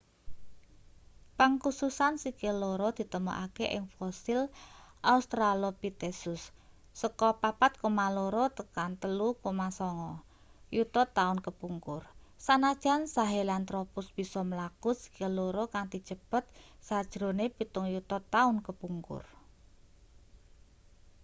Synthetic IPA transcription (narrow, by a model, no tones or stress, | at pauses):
paŋkususansikeloɾɔd̪̥i̤t̪əmɔ̰ʔakeʔɪ̰ŋfɔsilʔaust̪ɾalopit̪esʊsː | əkɔpapat̪̚kumaloɾɔt̪əkant̪əlukumasɔŋɔ | jut̪ɔt̪ːaʊnkəpuŋkʊrsanḁʒ̥a̤nsaɦelant̪ɾɔpʊsb̥i̤sɔməlakusi̥keloɾokaŋd̪i̤̥t͡ʃəpət̪̚sad̥ʒ̥ɾo̤nepit̪ʊŋjut̪ɔt̪ːaʊnkəpuŋkʊ̰r